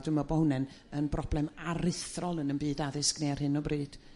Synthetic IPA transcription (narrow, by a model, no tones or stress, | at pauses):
dumabɔwnɛn | ənbrʔɔblˠɛmaɾɪθrɔlˠənənbiːdaðɪsknear̥hɨnɔbriːd̥